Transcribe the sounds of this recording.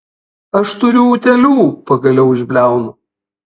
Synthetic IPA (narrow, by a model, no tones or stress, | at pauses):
ɐʃt̪ʊɾʲʊːt̪ʲɛlʲuːpɐɡɐlʲɛʊɪʒʲbʲlʲæˑʊnʊ